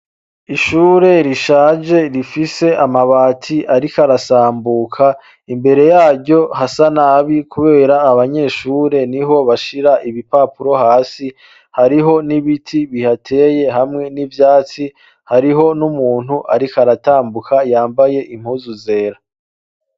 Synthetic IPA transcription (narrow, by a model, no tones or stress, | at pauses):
iʃuːɾe̞ɾiʃaːd͡ʒe̞ɾifise̞ʔamaβaːtʰiʔaɾikaɾasaːmbuːkʰa | imbe̞ɾe̞jaːɾɟo̞hasanaːβikuβe̞ːɾaːβaɲe̞ːʃuːɾe̞niɦo̞βaʃiɾaʔiβipapuɾo̞ɦaːsi | haɾiɦo̞niβitʰiβihatʰe̞ːje̞ɦamŋe̞nivjaːt͡si | haɾiɦo̞numuːn̥huʔaɾikaɾataːmbukʰajaːmbaje̞ʔim̥huzuze̞ːɾa